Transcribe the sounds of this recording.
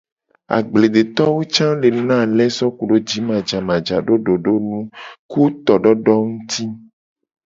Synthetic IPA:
a̰˨ɡ͡ble˨de˨t̪ɔ˦wo˦t͡ʃã˦le˨n˦nã˦˨lɛ˦sɔ˦ku˨ɖo˦d͡ʒi˨˦mã˨d͡ʒa˨mã˨d͡ʒa˨ɖo˦ɖo˨ɖo˦nũ˦ku˦t̪ɔ˨ɖɔ˦ɖɔ˦ŋũ˦t̪i˦

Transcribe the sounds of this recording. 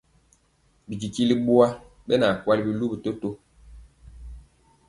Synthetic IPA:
bi˨k̬i˨ki˦li˦ɓu˦a˦ | ɓe˦na˨kwa˦li˦bi˦lu˦bi˨to˦to˦

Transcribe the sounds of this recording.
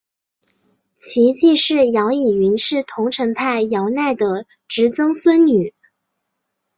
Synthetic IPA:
t͡ɕʰi˧˥t͡ɕi˥˧ʂɻ̩˥˩jɑ˧˥ʊi˨˩y˧˥nʂɻ̩˥˩t̪ʰʊ˧˥ŋʈ͡ʂʰə˧˥npʰa˥˩ɪjɑ˧˥ʊna˥˩ɪd̪ə˩ | ʈ͡ʂɻ̩˧˥t͡sɤ˥ŋswə˥nny˨˩˦

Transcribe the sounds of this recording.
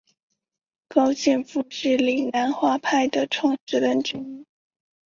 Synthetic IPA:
kɑ˥ʊt͡ɕɛ˥˧nfu˥˧ʂɻ̩˥˩li˨˩ŋna˧˥nxwa˥˧pʰa˥˩ɪd̪ə˩ʈ͡ʂʰwɑ˥˩ŋʈ͡ʂɻ̩˥lə˥nʈ͡ʂ̩˥˧˥

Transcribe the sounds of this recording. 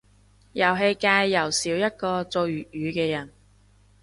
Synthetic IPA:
jɐ˨˩wɦe˧jkaː˧jːɐ˨˩wsiː˨˥wjɐ˥t̚kɔː˧t͡so˧wjy˨t̚jyː˨˧kɛː˧jɐ˨˩n

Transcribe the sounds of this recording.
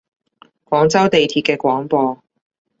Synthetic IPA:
kwɔː˨˥ŋt͡sɐ˥wt̪e˨jt̪ʰiː˧t̚kɛː˧kʷwɔː˨˥ŋpɔː˧

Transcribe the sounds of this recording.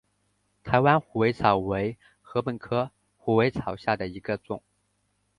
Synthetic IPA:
t̪ʰa˧˥ɪwa˥nxu˨˩we˧˥ɪt͡sʰɑ˨˩ʊwe˧˥ɪ | xɤ˧˥pə˨˩nkʰɤ˥ | xu˨˩we˧˥ɪt͡sʰɑ˨˩ʊɕja˥˩d̪ə˩i˧˥ɡə˧t͡sʊ̰˨˩˦ŋ

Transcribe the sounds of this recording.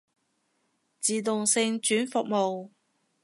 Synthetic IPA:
t͡siː˨t̪̬ʊ˨ŋsɪ˧ŋt͡ʃyː˨˥nfʊ˨k̚mo˨w

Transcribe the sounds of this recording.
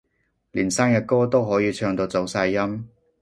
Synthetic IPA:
liː˨˩nsaː˥ŋjɐ˧kɔː˥t̪o˥wɦɔː˨˥jiː˨˧t͡ʃʰœː˧ŋt̪o˧wt͡so˨˥wsaː˧jːɐ˥m

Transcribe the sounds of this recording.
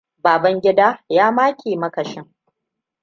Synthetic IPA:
baː˨bɐ˦ŋɡʲɪ˦daː˦jaː˦maː˦kʲeː˨mɐ˦kɐ˨ʃɪ˦ŋ

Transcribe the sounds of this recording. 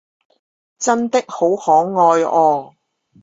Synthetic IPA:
t͡sɐ˥nt̪ɪ˥k̚ho˨˥whɔː˨˥ŋːɔː˧jɔː˧

